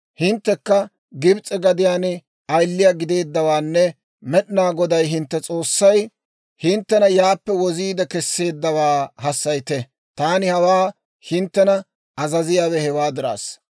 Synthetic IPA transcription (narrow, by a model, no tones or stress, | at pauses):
hɪnt̪ːɛkːɐ | ɡɪbt͡sʼɛɡɐd̪ɪjaːnɪ | ɐjlːɪjaːɡɪd̪e̞ːd̪ːɐwaːnːɛ | mɛɗɪnaːɡɔd̪ɐjɦɪnt̪ːɛt͡sʼo̞ːsːɐj | hɪnt̪ːɛnɐjaːpːɛwɔziːd̪ɛkɛsːe̞ːd̪ːɐwaːhɐsːɐjt̪ɛ | t̪aːnɪhɐwaː | hɪnt̪ːɛnɐ | ɐzɐzɪjaːwɛhɛwaːd̪ɪɾa̰ːs